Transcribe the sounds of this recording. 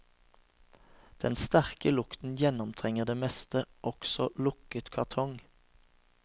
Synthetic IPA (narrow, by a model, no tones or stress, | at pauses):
d̪̥ɛnst̪æʁkəlʊkt̪n̩jɛnɔmt̪ʰʁɛŋəʁd̪eːmɛst̪əʔɔksɔlʊkət̪kʰɑʁt̪ʰɔŋ